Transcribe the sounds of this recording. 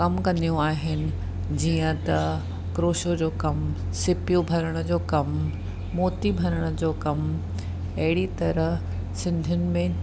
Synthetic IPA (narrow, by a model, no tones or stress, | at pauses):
kɐmkɐ̃nd̪ijũaːɦɪnɪ̆ | d͡ʑiːə̃t̪ɐ | kɾoːʃod͡ʑoːkɐm | sɪpijũbʱɐɾəɽ̃əd͡ʑoːkɐm | moːt̪ibʱɐɾəɽ̃ʊ̆d͡ʑoːkɐm | ɐɦɪɽit̪ɐɾəɦ | sɪ̃nd̪ʱjʊnɪ̆mẽ